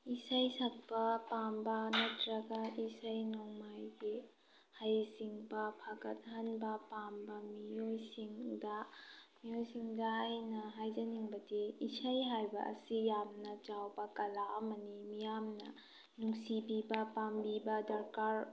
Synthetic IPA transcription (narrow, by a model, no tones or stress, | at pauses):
isajsak̚pɐpambɐnɐtʰɾɐɡɐisajnɔŋmajɡi | hajsiŋbɐpʰaɡɐt̚ɦanbɐpambɐmijojsiŋdɐmijojsiŋdɐːjnɐɦajd͡ʒɐniŋbɐdiːsajɦajbɐ̰ʔɐ̰sijamnɐt͡ʃawbɐkɐlamɐnimijamnɐ̰ | nuŋsibibɐpambibɐdɐɾkaɾ